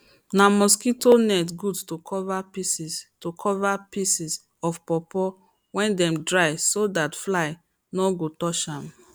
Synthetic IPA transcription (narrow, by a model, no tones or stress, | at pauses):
namɔskitonɛtɡudtokʰɔvapisistokʰɔvapisis | ɔfpɔpɔ | wɛ̃ndɛ̃mdɹaɪsodatflaɪ | nɔɡotɔʃãm